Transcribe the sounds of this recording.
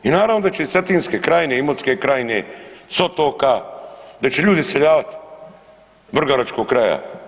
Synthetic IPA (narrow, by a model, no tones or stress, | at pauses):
inaːɾaʋnod̪at͡ɕeset̪iːnskekɾajneimot̪skekɾajinesot̪oːkad̪at͡ʃeʎuːd̪iseʎaːʋat̪ | br̩ɡaɾat͡ʃko̞kkːɾaja̰